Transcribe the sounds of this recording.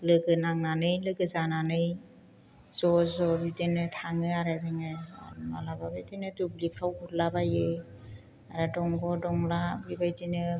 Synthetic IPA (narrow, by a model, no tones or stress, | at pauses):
lɯɡɯnaŋnanɯjlɯɡɯzananɯj | z̥ɔzɔbidenɯtʰaŋɯaɾadɯŋɯma̰lababajdenɯdublipʰɾawkuɾlabajɯ | aɾadɔŋɡɔdɔŋlabibajdinɯ